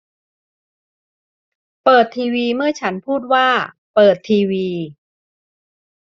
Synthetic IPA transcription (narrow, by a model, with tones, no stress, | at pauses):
pɤː˨˩t̪ʰːiː˧wiː˧mɯ˥˩ɐt͡ɕʰa˦˥npʰuː˥˩t̪̚waː˥˩ | pɤː˨˩t̪ʰːiː˧wiː˧